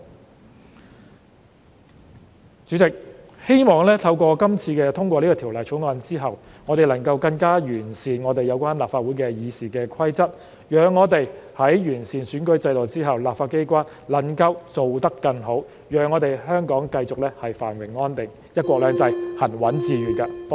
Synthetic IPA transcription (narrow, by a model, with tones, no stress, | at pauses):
t͡syː˨˥t͡sɪ˨k̚ | he˥jmɔː˨˩ŋlɛː˥t̪ʰɐ˧wkʷɔː˧kɐ˥mt͡sʰiː˧kɛː˧t̪ʰʊ˥ŋkʷɔː˧liː˥kɔː˧t̪ʰiː˨˩wlɐ˨˩jt͡ʃʰʊ˨˥ŋɔː˧nt͡siː˥ɦɐ˨˩wŋɔː˨˧t̪e˨˩jlɐ˨˩ŋkɐ˧wkɐ˧ŋkaː˥jyː˨˩nsiː˨˩nŋɔː˨˧t̪e˨jɐ˨˧wkʷaː˥nlaː˨pfaː˧t̚wu˨˥jkɛː˧jiː˨˧siː˨˩kɛː˧kʰɐ˥jt͡sɐ˥t̚ | jœː˨ŋːɔː˨˧t̪e˨jhɐ˨˥jjyː˨˩nsiː˨˩nsyː˨˥nkɵ˥ɥt͡sɐ˧jlɔː˨wt͡siː˥ɦɐ˨˩wlaː˨pfaː˧t̚ke˥jkʷaː˥n | lɐ˨˩nkɐ˧wt͡so˨wt̪ɐ˥kːɐ˧ŋɦo˨˥w | jœː˨˩ŋːɔː˨˧t̪e˨˩jɦœː˥ŋkɔː˨˥ŋkɐ˧jt͡sʊ˨k̚lɛː˥hɐ˨jfa̰ː˨˩nwɪ˨˩ŋːɔː˥nt̪ɪ˨˩ŋ | jɐ˥t̚kʷɔː˧klœː˨˧ŋt͡sɐ˧jhɐ˨˩nwɐ˨˥nt͡siː˨˧ɥyː˨˧kaː˧